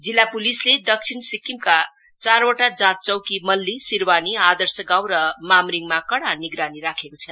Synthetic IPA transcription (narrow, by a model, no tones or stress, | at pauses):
d͡zilːapulisleɖʌk̚t͡sʰinsikːimka | t͡sarwoʈad͡zãt̚t͡sʌwkimʌlːisirwaniad̪ʌrsʌɡaw̃ɾʌmamɾiŋmakʌɽaniɡɾaniɾakʰekot͡sʰʌn